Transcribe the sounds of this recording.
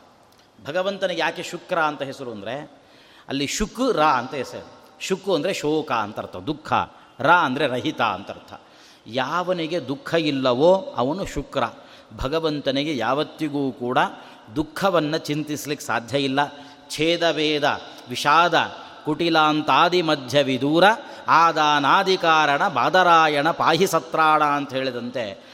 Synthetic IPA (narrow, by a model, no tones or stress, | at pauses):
bʱɐɡɐʋɐnt̪ɐneɡejaːkeʃukɾaɐnt̪ɐɦesɐɾuɐnd̪ɾe | ɐ̰lːiʃukɾaːɐnt̪ɐɦesɐ̰uʃukuɐnd̪ɐɾeʃoːkaːnt̪ɐɾt̪ʰɐd̪ukʰːɐ̰ | ɾaːɐnd̪ɐɾe̞ɾɐɦit̪a̰ɐ̰nt̪ɐ̰ɾt̪ʰɐ̰ | jaːʋɐniɡe̞d̪ukʰːɐilːɐʋoːɐ̰ʋɐnuʃukɾɐ̰ | bʱɐɡɐʋɐnt̪ɐniɡejaːʋɐt̪ːiɡuːkuːɽɐ | d̪ukʰːɐʋɐnːɐt͡ʃint̪islikːe̥sa̰ːd̪ʱjɐilːɐ | t͡ʃʰeːd̪ɐʋeːd̪ɐ̰ | ʋiʃaːd̪ɐ̰ | kuʈilaːnt̪aːd̪imɐd̪ʱjɐʋid̪uːɾɐ | aːd̪aːnaːd̪ʱikaːɾɐɳɐbaːd̪ɐɾaːjɐɳɐpaːɦisɐt̪ɾaːɽaɐnt̪ɐɦeːɭid̪ɐnt̪e